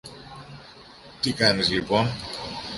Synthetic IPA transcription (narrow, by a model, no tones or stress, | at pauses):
t̪ikɐnizlipon